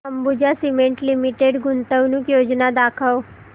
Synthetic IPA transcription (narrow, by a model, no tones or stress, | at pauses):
əmbud͡ʒasimeɳʈlimiʈeɖɡʱunt̪əʋnukjoːd͡ʒnad̪akʰəw